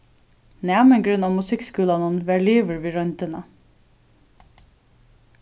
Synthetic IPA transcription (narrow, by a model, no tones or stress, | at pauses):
næmɛnɡɾʉnɑːmʉsɪkskʉːlɑnənʋæɹɭiːʋəɾʋiːɾœnt̪ənə